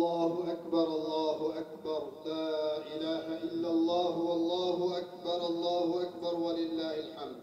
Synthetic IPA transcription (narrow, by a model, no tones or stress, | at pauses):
ɑːhʊʔakbɑɾˤʔɑlˤːɑːhʊʔakbɑɾˤlaːʔɪlaːɦaʔɪlːalˤːɑːɦʊwɑlˤːɑːɦʊʔakbɑɾˤʔɑlˤːɑːhʊʔak̚bɑɾˤwalɪlːaːhɪlħamd̪